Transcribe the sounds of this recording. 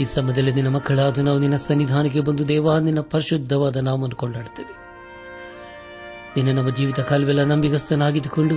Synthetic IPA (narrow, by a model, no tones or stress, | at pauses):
iːsɐmːɐd̪ɐlːeninːɐmɐkʰːɐɭaːd̪unaːʋuninːɐsɐnʋid̪ʱaːnɐɡebɐnd̪ud̪ɛːʋaːninːɐpɐɾiʃud̪ʱːɐʋaːd̪ɐnaːʋuɐnd̪ukoɳɖaːɽt̪eːʋe | ninːɐnɐmːɐd͡ʒiːʋit̪ɐkʰaːlɐʋɛlːɐnɐmbiɡɐst̪ɐnaːɡid̪ukoɳɖu